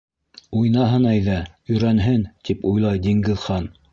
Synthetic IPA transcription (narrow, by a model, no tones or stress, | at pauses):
ujnɑɦɤnæjðæɵ̆jɾænɦɘnt̪ipujlˠɑjd̪iŋɡɘ̆ðχɑn